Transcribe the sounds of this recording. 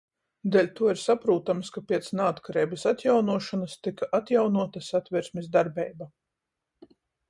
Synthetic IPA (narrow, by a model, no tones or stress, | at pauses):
d̪elʲt̪uɔiɾsapɾuːt̪amskapʲiɛt̪snaːt̪kaɾɛːjbɐsat̪jawnuɔʃanɐst̪ikaʔat̪jawnuɔt̪ɐsat̪vʲiɾsʲmʲisd̪aɾbɛjba